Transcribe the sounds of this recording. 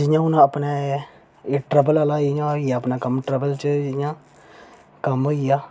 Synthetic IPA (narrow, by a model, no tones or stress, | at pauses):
d͡ʒɪjãːʊnãəpnɛː | iʈɾəbəlalaːɪjãijaːəpnaːkəmʈɾəbəlt͡ʃəd͡ʒɪjãː | kəmɦoːijaː